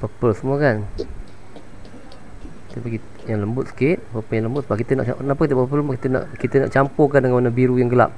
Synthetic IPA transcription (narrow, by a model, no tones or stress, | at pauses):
pəpəlsəmuəkan | kit̪əpaɡi | jaŋləmbʊt̪̚sə̥kɪt̪̚pəpəljaŋləmbʊt̪səbap̚kit̪əna̰ʔa̰ənapakit̪əpəpəpəlsmukit̪əna̰ʔkit̪əna̰ʔt͡ʃampʊkandəŋanmanabiɾujaŋɡəla̰p̚